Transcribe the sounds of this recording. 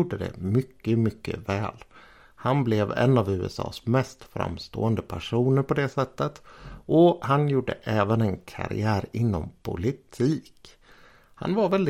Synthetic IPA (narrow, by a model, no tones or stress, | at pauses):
uːɖəd̪ɛ̰mʏkːəmʏkːə̰vɛːl | hanblɛvɛ̰nːavʉ̟ːɛsɑ̰ːsmɛst̪fɾa̰mst̪o̰ːənd̪əpʰæʂuːnəɾpɔd̪ɛsɛt̪ːət̪ʔɔhanjuːɖə̰ʔɛːvənɛnkʰa̰ɾɪ̰æːɾɪnːɔmpʰʊlɪt̪ʰiːk | ha̰nvaɾvɛld̪ɪ